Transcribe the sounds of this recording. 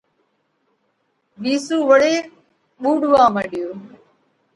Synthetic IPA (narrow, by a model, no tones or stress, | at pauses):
ʋiːsũːʋəɽeː | ɓuːɖʋãːməɗɪjoː